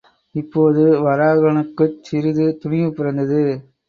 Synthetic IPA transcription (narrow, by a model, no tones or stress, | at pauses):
ɪpːoːðɯʋɐɾaːɣɐɳɯkːɯt͡ʃːɪɾɯðɯt̪ʊɳɪjɯpːɪɾɐnd̪ɐðɯ